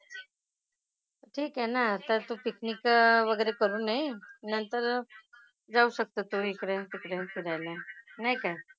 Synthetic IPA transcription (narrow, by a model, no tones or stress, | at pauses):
ʈʰiːkɦɛnaːt̪ãt̪upiknikʋəɡəjɾekəɾuːnainənt̪əɾ | d͡zauːɕək̚t̪ət̪oikɽɛ̃t̪ikɾẽpiɾajlanaɦikaj